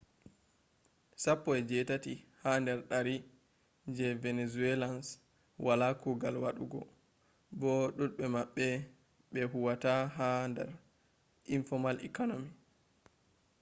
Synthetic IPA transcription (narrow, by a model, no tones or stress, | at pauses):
sapːɔɛd͡ʒɛtatihandɛɾɗaɾi | d͡ʒɛvɛnɛzuɛlans | walakuɡalwaɗuɡɔ | bɔɗuɗɓɛmaɓːɛ | ɓɛɦuwataɦandɛ̰ɾ | ʔinfɔmalɛ̰kɔnomi